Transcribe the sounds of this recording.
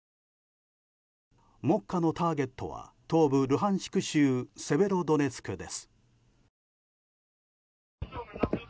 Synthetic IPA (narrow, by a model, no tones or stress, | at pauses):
mo̞kːano̞t̪aːɡe̞t̪ːo̞̰βa̰t̪o̞ːbɯ̟ɾɯ̟ɦãɰ̃ɕi̥kɯ̟ɕɨːse̞be̞ɾo̞d̪o̞ne̞sɨ̥kɯ̟d̪e̞sɨ̥